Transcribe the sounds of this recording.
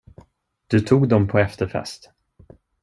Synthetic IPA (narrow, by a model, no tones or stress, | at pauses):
d̪̥ɵt̪ʰuːɡd̪ɔmpʰɔɛft̪əɾfɛ̰st̪